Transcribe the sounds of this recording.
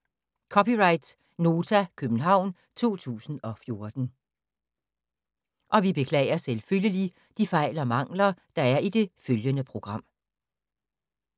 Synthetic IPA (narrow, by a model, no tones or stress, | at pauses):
kʰɒ̽pʰiʁɑ̈ɪd̥ | no̝ːt͡sʰækʰøb̥n̩ɦɑ̈ʊ̰n | t͡sʰo̝̰ːt͡sʰṵːsn̩ɒ̽fjo̝ɐd̥n̩ | ʔɒ̽ʋib̥e̝kʰlɛ̰ːɪɐselføljəli | d̥ifɑ̈ɪlɒmɑ̈ŋ̰lɐd̥ɑ̈æɐʔid̥e̝føljənəpʰʁo̝ɡ̥ʁɑ̈m̰